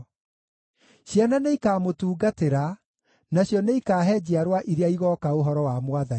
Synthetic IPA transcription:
ɕjananeikaːmotuːɡateɾa | naɕjɔneikaːɦɛːd͡ʑeaɾwaʔiɾeaiɣɔkaoɦɔɾɔwamwaðai

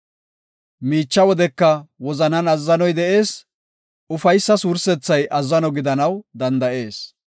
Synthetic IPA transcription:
miːt͡ʃːɐwɔd̪ɛkːɐwɔzɐnɐnɐzːɐnɔjd̪ɛʔe̞ːs | ʊfɐjsːɐsuːɾsɛt͡sːɐjʔɐzːɐnɔɡɪd̪ɐnɐwd̪ɐnd̪ɐʔe̞ːs

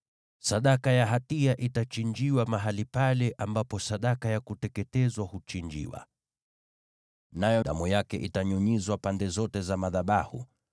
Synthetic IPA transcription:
saɗakajaɦatiaʔitat͡ʃind͡ʒiwamaɦalipalɛʔambapɔsaɗakajakutɛkɛtɛzwahut͡ʃind͡ʒḭwa̰ | najɔɗa̰mujakɛʔitaɲuɲizwapandɛzɔtɛzamaðaɓahṵ

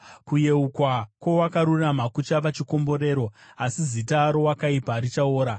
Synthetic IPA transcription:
kuje̞ukwakwo̞wakaɾurramakut͡ʃapat͡ʃiko̞mbo̞ɾe̞ːɾo̞asizitaːɾo̞wakaipaɾit͡ʃaoːɾa

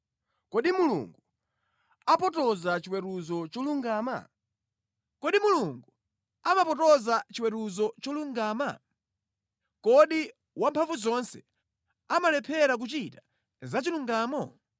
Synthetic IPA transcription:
kɔɗimulṵŋɡu | apɔtɔzat͡ʃiwɛɾuzɔt͡ʃɔluŋɡaːma̰ | kɔɗimuluŋɡu | amapɔtɔzat͡ʃiwɛɾuzɔt͡ʃɔluŋɡaːma | kɔɗi | wampʰaɱvuzɔnsɛ | amalɛpʰɛɾak̬ut͡ʃita | zat͡ʃiluŋɡaːmɔ

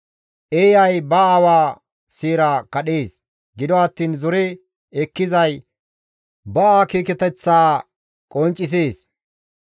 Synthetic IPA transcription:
ʔeːjɐjbɐawaː | siːɾakɐɗeːs | ɡɪd̪ɔɐt̪ːiːnzɔɾɛ | ɛkːɪzɐj | bɐaːkiːkɛt̪ɛt͡sːaː | kʼɔnt͡ʃʼːɪs̬eːs

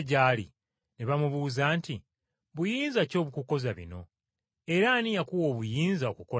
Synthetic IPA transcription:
ɟaːlḭ | neβamuβuːzaːnti | βujiːnzaco̞ːβukuko̞zaβḭno̞̰ | e̞ɾanijakuwo̞ːβujiːnzaokuko̞

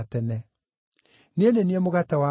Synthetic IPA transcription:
tɛnɛ | nendeniɛmoɣatawa

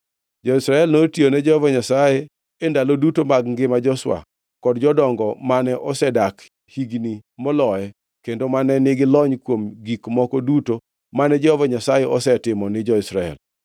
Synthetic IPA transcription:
d͡ʒɔɪsɾaɛlnotionɛd͡ʒɔhɔvɔɲasaje | endalodutomaɡŋɡɪmad͡ʒɔswa̰ | kɔdd͡ʒɔdɔŋɡɔmanɛʔɔsɛdak | hiɡnimɔlɔɛ | kendomanɛnɪɡɪlɔɲkwomɡikmɔkɔduto | manɛd͡ʒɔhovɔɲasajeɔsɛtɪmɔnɪd͡ʒɔisɾaɛ̰l

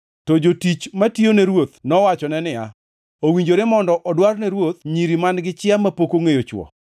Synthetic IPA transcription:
tɔd͡ʒotit͡ʃmationeɾwot̪nɔwat͡ʃɔnɛnɪja | owiɲd͡ʒoɾemɔndɔʔɔdwarnɛɾwot̪̚ɲiɾimanɡɪt͡ʃɪamapokoŋejot͡ʃwɔ̰

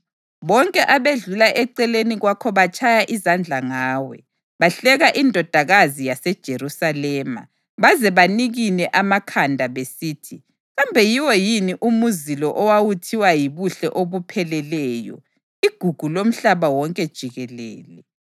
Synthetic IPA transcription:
βɔŋkʼɛʔaβeɮulaʔɛǀɛleniɣwakʰɔβat͡ʃʰʼajaʔizand͡ɮʱaŋaːwɛ | βaɬɛɣaʔindʱɔd̥ʱaɣazijasɛd̥ʒ̥ʱeɾusalɛːma̰ | βazɛβaniɣinɛʔamakʰandʱaβesiːtʰi | ɣambʱɛjiwɔjiniʔumuzilɔʔɔwawutʰiwajiβuɬɛʔoβupʰɛlɛlɛːjɔ̰ | iɡ̥ʱuɡ̥ʱulom̩ɬaβawɔŋkʼɛd̥ʒ̥ʱiɣɛlɛ̰ːlɛ

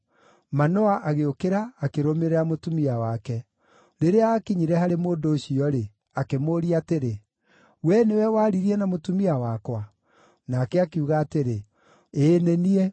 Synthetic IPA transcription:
manɔaʔaɣeokeɾaːkeɾomeɾɛamotumiawakɛ | ɾeɾeaːkiɲiɾɛhaɾemoːndoːɕiɔɾe | akemoɾiateɾe | wɛnewɛwaːɾiɾiɛnamotumiawakwa | naːkɛakeuɣaːteɾe | eneniɛ

